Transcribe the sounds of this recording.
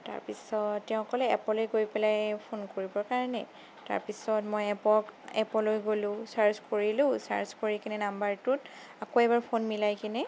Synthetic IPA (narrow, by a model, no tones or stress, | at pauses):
ta̰ɹpisɔtːɛʊ̃kɔlɛɛ̰pɔlojɡojpɛlajpʰonkoɹibɔɹkaɹɔnɛ̰ | ta̰ɹpisɔtmojɛpɔkɛpɔlojɡolʊ̃saɹzkoɹilʊ̃sa̰ɹzkoɹikinɛnambaɹtʊt | akoɛbaɹpʰonmilajkinɛ